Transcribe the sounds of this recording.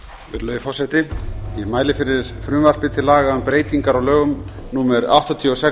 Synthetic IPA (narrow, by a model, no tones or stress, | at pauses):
ɪɾlœːðfɔrsajt̪ɪimaːjlɪfɪɾɪɾ̥fɾʏːmvar̥pɪt̪ʰɪlaːɣaʏmpɾeːjt̪iŋkaɾawlœːɣʏm | nuːmɛɾa̰wht̪at̪ʰiɔsɛ